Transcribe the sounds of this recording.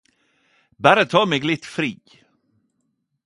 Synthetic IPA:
bæɾət̪ʰɑːmeːɡlɪt̪ːfɾiː

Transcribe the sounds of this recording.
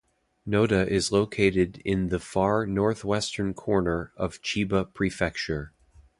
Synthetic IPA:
noʊɾɨʔɪzloʊkʰeɪɾɪɾɪ̃nðɨfɑɹnɔɹθwɛstə̃˞nkʰɔɹnə˞ʌv̥t͡ʃʰibəpʰɹ̥ifɛk̚t͡ʃə˞

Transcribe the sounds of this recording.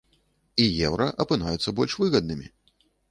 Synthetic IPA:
ijɛwɾɐʔɐpɨnajut̪sːɐbɔlʲʂvɨɣɐd̪̚nɨmʲḭ

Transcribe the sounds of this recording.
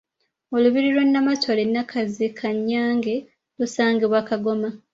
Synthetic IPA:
o̞luβiɾilwonːamatʰolenːakʰazikʰaɲːaːŋɡe̞ | lusaːŋɡeβwakaɡo̞ma

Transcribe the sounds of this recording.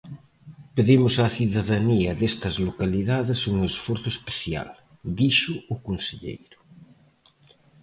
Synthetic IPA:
peðimʊsaθiðaðaniɐðest̪ɐzlokaliðaðesuŋesfwoɾθʊespeθja̰l | d̪iʃʊːkonseʎḛjɾʊ̥

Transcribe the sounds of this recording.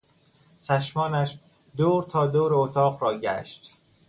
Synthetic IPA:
t͡ʃʰæʃmɒːnæʃ | d̪oːɾt̪ʰɒːd̪oːɾeot̪ʰɒːqɾɒːɟæ̰ʃt̪

